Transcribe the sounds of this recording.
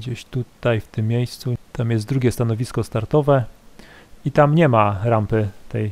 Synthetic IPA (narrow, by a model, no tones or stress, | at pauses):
d͡ʑeɕt̪ut̪ajft̪ɘmːjejst̪sut̪amjɛsd̪ɾuɡʲjɛst̪anɔvʲiskɔst̪aɾt̪ɔvɛ | it̪amɲɛmaɾampɘt̪ɛj